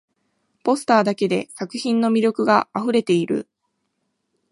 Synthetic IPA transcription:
po̞sɨ̥t̪aːd̪ake̞d̪e̞sakɯ̟çĩnːo̞mʲiɾʲjo̞kɯ̟ɡaaɸɯ̟ɾe̞t̪e̞iɾɯ̟̰

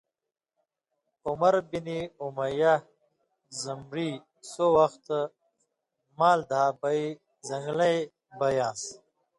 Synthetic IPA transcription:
umɐɾbiniumɐja | zɐmɾiː | sowɐxt̪ | maːld̪ʱaːbɐi | zɐŋɡlɐj | bɐjãːs

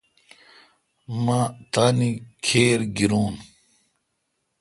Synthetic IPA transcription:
mat̪aːnikʰeːɾɡiɾuːn

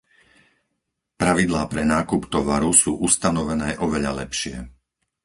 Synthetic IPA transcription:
pɾaʋid̪laːpɾɛnaːkupt̪ɔʋaɾusuːʔust̪anɔʋɛnɛːʔɔʋɛʎa̰lɛpʃɪɛ̰

